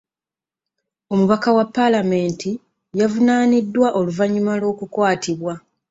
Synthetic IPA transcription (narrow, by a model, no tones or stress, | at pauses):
o̞muβakawapːalame̞ːnti | javunaːnidːwaʔo̞luvaɲːumalo̞ːkukwaːtʰiβwa